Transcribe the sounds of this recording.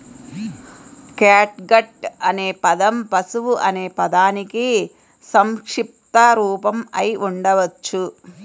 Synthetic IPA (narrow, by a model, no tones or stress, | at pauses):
kaːʈɡɐʈɐneːpɐd̪ɐmpɐsuʋuʔɐne̞ːpɐd̪aːniki | sɐmkʂip̚t̪ɐɾuːpɐmɐjʔuɳɖɐʋɐt͡ʃːu